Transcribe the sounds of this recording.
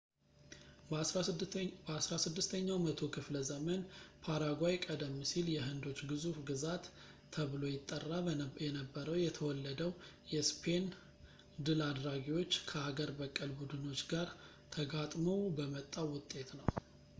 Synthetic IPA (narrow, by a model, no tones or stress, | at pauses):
bəasɾasɨd̪ːɨst̪ʰəɲːawmət̪ʰo̞kʰɨfləzəmənpʰaɾaɡwajkʼəd̪əmːsiljɛɦɨnd̪o̞t͡ʃːɡɨzufɡɨzat̪ʰː | əβlo̞jɪt̪ʼːərːajɛnəbːəɾəwjɛt̪ʰəwɔlːəd̪əw | jɛspʰe̞n | d̪ɨlad̪ɾaɡiwo̞t͡ʃːkʰəaɡəɾbəkʼːəlbud̪ɨno̞t͡ʃɡaɾ | t̪ʰəɡat̪ʼməwbəmət̪ʼːawʊt̪ʼːe̞t̪nəw